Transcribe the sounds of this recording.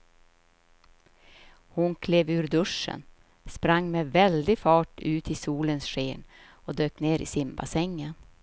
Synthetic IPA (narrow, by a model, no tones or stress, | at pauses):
hʊnkʰleːvʉ̟ːɾd̪ɵʂə̰n | spɾaŋːmɛvɛld̪ɪfɑːʈʉ̟ːt̪ʰɪsuːlənsɧeːn | ɔd̪øːkneːɾɪ̰sɪmba̰sɛŋːən